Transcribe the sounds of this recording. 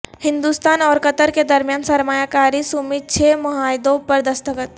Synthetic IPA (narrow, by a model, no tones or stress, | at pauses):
hɪ̃nd̪uːst̪aːnɔːɾkət̪əɾked̪ɐɾmijaːnsɐɾmaːjakaːɾisumid̪̚t͡ʃʰeːmɐɦaːɪd̪õpɐɾd̪ɐst̪əkət̪